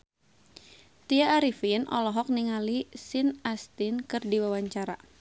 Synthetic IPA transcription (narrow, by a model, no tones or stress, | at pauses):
t̪iaːɾifinʔɔ̰lɔɦɔk̚niŋalisɪnast̪ɪnkɨrdiwawaɲt͡ʃaɾa̰